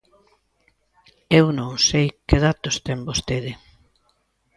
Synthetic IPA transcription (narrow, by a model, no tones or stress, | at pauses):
ewnõŋsejkɪðat̪ʊst̪ɛmbost̪eðɪ